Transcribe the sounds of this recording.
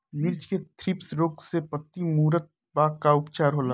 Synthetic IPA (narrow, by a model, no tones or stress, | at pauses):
nɪɾt͡ʃket̪ʰɾɪpsɾoːksepət̪ːimuːɾət̪̚ | baːɡkaʊpt͡ʃaːɾɦoːla